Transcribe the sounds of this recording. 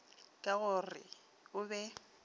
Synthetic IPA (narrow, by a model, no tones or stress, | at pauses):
kʼaɣʊrɪ̰ | ʊbɛ